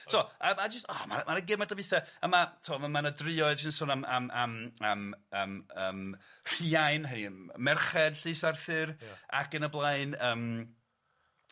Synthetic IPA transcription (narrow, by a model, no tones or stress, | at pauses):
soəmad͡ʒəstɔːma̰maɾəɡɪmadabɪθɛəmatʰɔməmanədrɪɔɨð̥ʃɪnsoːnamamamamaməːmɬiajnɦəniəmɛrχɛd̥ɬɨːsarθɨra̰kənəblˠajnəːm